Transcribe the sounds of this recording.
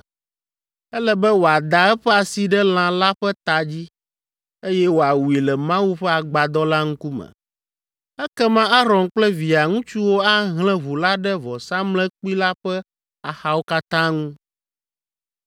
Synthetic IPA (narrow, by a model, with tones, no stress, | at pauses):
ɛ˦lɛ˦bɛ˦wo˨a˨d̪a˨ɛ˦ɸɛ˦a˨si˨ɖɛ˦l̃ã˨la˦ɸɛ˦t̪a˨d͡ʑi˦ | e˦jɛ˦wo˨a˨wu˨i˨lɛ˨mã˦wu˦ɸɛ˦a˨ɡ͡ba˨d̪ɔ˦la˦ŋũ˦ku˦mə̰̃˨ | ɛ˦kɛ˦mã˦a˦ɾɔ̃˨nk͡plɛ˦vi˨a˨ŋũ˦t͡ʃu˦wo˦a˦ɦlɛ̃˦βu˨la˦ɖɛ˦vɔ˨sa˦mlɛ̃˦k͡pi˦la˦ɸɛ˦ | a˨xa˨˦wo˦ka˦t̪ã˦ŋũ˦